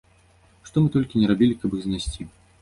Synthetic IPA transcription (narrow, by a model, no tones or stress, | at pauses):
ʂt̪ɔmɨt̪ɔlʲkʲinʲɛɾabʲilʲikɐbɨɣzʲnʲasʲt͡sʲi